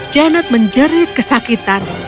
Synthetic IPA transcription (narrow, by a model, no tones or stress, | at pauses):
d͡ʒanat̪̚məɲd͡ʒəɾɪt̪̚kəsakit̪an